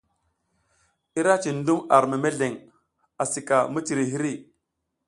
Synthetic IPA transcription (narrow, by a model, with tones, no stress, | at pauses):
i˦ɾa˦t͡ʃi˨n˦du˦ma˨ɾme˨me˦ɮe˨ŋ | a˨si˨ka˨mu˦ti˨ɾi˨ɦi˦ɾi˦˨